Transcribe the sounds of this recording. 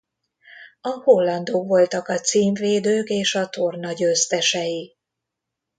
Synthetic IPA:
ɒholːɒnd̪oːkʋo̞lt̪ɒkɒt̪siːɱveːd̪øːkeːʃɒt̪o̞rnɒɟøːst̪ɛʃɛji

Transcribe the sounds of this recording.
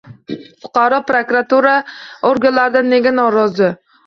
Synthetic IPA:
fʊ̥qʰɑɾɒpɾokɾat̪uɾaoɾɡʲanlaɾd̪anːeɡʲanɒɾɒzɪ

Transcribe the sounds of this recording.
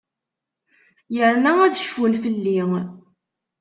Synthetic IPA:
jəɾnææðʃfunfəlːi

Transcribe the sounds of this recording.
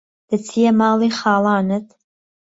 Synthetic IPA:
d̪̥ɨt͡sʰijɛmɑːliχɑːlɑːnɨt̪ʰ

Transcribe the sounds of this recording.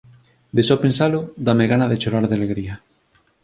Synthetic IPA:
d̪esopẽnsalod̪ameɣanaðet͡ʃoɾaɾðealeɣɾia

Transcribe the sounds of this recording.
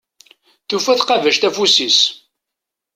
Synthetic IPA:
θufæθqɑvæʃt̪æfusis

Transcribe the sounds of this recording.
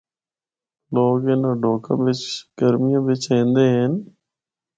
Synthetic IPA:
loːɡeːnãːɖʱoːkã̰ːʋɪt͡ʃɡ̥əɾmɪjãːʋɪt͡ʃẽːnd̪eːɦen

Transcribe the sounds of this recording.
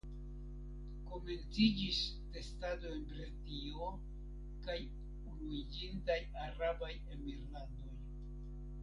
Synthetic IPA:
ko̞me̞nt͡sid͡ʒis | te̞stado̞enbɾelti | o̞ | kaj | uɾuid͡ʒintajaɾabajemiɾlando̞j

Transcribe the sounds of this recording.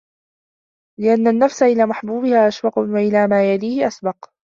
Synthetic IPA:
lɪʔanːanːafsaʔɪlaːmaħbuːbɪhaːʔaʃbɑqʊwaʔɪlaːmaːjadiːhɪʔasbɑq

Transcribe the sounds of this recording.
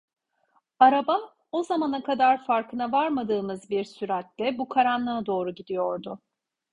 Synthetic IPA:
aɾabam | o̞zamanakʰad̪aɾfaɾkʰɯnavaɾmad̪ɯːmɯzbiɾsyɾat̪ːɛbukʰaɾanˠɯad̪o̞ːɾuɟid̪ijo̞ɾd̪ʊ

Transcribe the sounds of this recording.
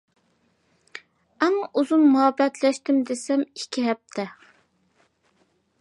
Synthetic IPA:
ɛŋʔuzunmuɦɛbːɛt̪ʰlɛʃt̪ɪmd̪esɛmikʲʰːiɦɛp̚t̪ʰɛ

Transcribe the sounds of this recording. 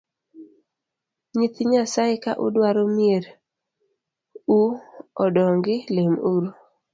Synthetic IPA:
ɲit̪ɪɲasaɪka̰ʔʊ̰dwaɾomieɾ | uɔdɔŋɡɪlemuɾ

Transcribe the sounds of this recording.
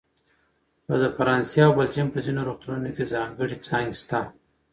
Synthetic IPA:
pad̪əfaɾɑnsawbald͡ʒimpəzinoɾoxt̪uɾunokezɑŋɡəɽit͡sɑŋɡst̪a

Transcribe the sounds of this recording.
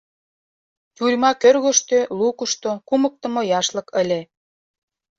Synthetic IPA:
j̪urʲmɑkørɣoʃt̪ølukuʃt̪okumə̆k̚t̪ə̆mojɑʃlɤ̆kə̆lʲe

